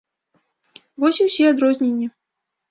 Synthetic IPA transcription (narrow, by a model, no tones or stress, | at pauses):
vɔsʲiwsʲɛad̪ɾɔzʲnʲenʲːi